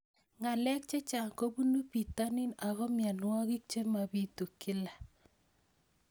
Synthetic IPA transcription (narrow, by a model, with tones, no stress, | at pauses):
ŋa˨lɛ˦k̚t͡ʃe˦t͡ʃa˨ŋko˦bu˦nu˦pi˨ta˦ni˦na˨ɣɔ˦mja˨nwɔ˦ɣɪ˦k̚t͡ʃe˦ma˨bi˦tu˨kɪ˦la˨